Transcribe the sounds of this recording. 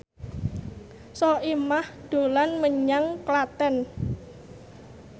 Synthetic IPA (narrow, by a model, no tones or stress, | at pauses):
sɔʔimahd̪̥o̤lanməɲaŋklat̪ɛn